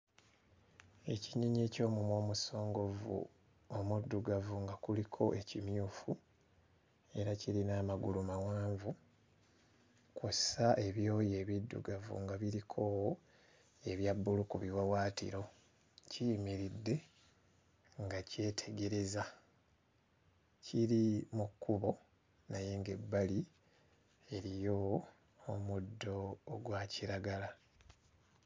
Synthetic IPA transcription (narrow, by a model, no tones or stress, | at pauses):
e̞ciɲiɲeːco̞ːmumwo̞ːmuso̞ːŋɡo̞vṵ | omudːuɡavuŋɡakulikʰo̞̰ʔe̞cimjuːfu | e̞ɾaciɾinaːmaɡulumawaːɱvu | kusaʔe̞βjo̞ːje̞ːβidːṵɡavṵŋɡaβiɾikʰo̞ | e̞βjabːulukuβiwawaːtḭɾo̞ | cimiɾidːe̞ | ŋɡace̞ːtʰe̞ɡe̞ɾe̞za | ciɾimukːuβo̞ | naje̞ŋɡe̞bːali | e̞ɾijo̞ː | mudːo̞ːɡwaciɾaɡala